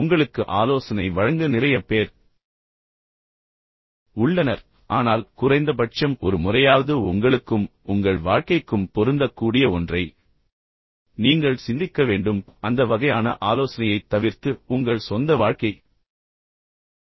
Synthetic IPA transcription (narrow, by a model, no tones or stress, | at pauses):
ʊŋɡɐɭɯkːɯʔaːloːsɐnɐɪʋɐɻɐŋɡɐnɪrɐjɐpeːɾ | ʊɭːɐnɐɾ | ʔaːnaːlkʊrɐɪnd̪ɐp̬ɐʈ̚t͡ʃɐmɔɾɯmʊrɐjaːʋɐðɯʊŋɡɐɭɯkːɯmʊŋɡɐɭʋaːɻkɐɪkːɯmpɔɾɯnd̪ɐkːuːɽɪjɐɔndrɐɪ | niːŋɡɐɭsɪnd̪ɪkːɐʋeːɳɖɯmɐnd̪ɐʋɐɣɐjaːnɐ̰ʔaːloːsɐnɐjɐɪt̪ːɐʋɪɾt̪ɯʊŋɡɐɭsɔnd̪ɐʋaːɻkɐɪ